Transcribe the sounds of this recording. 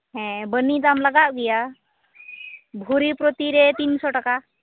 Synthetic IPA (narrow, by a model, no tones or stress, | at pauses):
ɦɛ̃bənːid̪amlaɡaʔɡija | bʱuɾipɾot̪iɾet̪insɔʈaka